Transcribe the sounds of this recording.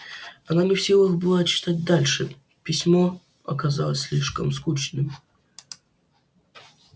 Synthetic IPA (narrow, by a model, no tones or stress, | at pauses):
ɐnanʲɪfsʲilˠɨxbɨlˠat͡ɕɪ̥t̪at̚ʲd̪alʲʂɨ | pʲɪsʲmo | ɐ̰kɐzalˠəsʲsʲlʲiʂkəmskut͡ɕnɨm